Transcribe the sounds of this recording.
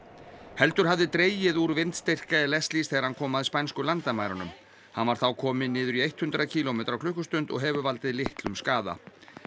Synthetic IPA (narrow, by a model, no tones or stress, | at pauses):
hɛlt̪ʏɾ̥havðɪt̪ɾeːjɪðuɾvɪnt̪st̪ɪr̥kaɛlɛst̪lisθɛːɣaɾhankʰɔːmaðɪspajnskʏlant̪amaːjɾanʏm | hanvaɾ̥θawkʰɔːmɪnɪːðʏɾiejht̪hʏnt̪ɾacʰiːlomɛːt̪ɾawkʰlʏhkʏst̪ʏnt̪ɔ̰ɣɦɛːvʏvalt̪ɪðlɪht̪lʏmskaːða̰